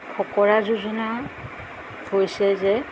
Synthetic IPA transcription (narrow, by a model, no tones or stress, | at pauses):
kʰɔkɔɹazuzɔna | hojsɛzɛ